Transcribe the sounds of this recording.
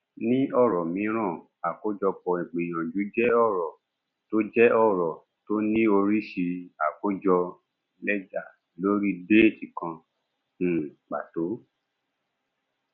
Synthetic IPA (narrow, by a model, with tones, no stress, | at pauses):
nĩ˦ɔ˦˨ɾɔ˨mĩ˨˦ɾ̃ã˦˨ | a˨ko˦d͡ʒɔ˧k͡pɔ˨i˨ɡ͡be˨j̃ã˨d͡ʒu˨˦d͡ʒɛ˦ɔ˦˨ɾɔ˨ | to˦d͡ʒɛ˦ɔ˦˨ɾɔ˨ | to˦nĩ˦o˧ɾi˦ʃi˧a˨ko˦d͡ʒɔ˧ | lɛ˦d͡ʒa˦˨ | lo˦ɾi˦de˦e˦˨ti˨kã˧˨ | k͡pa̰˨to˨˦